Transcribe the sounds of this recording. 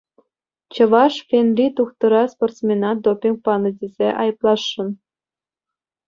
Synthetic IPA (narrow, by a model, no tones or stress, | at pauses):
t͡ɕɤ̆ʋɑʃfʲenrʲit̪uxt̪ɤ̆ɾɑsport̪t͡smʲenɑd̪opʲiŋk̚pɑnɤ̆dʲezʲeʔɑjɤ̆plˠɑʃːɤ̆n